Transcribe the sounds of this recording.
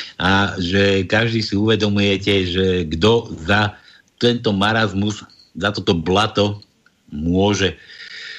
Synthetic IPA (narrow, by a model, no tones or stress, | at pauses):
ʔaʒɛkaʒd̪iːsiuʋɛd̪ɔmujɛcɛʒɛɡd̪ɔza | t̪ɛnt̪ɔmaɾazmuz | zat̪ɔt̪ɔblat̪ɔ | mʊɔʒɛ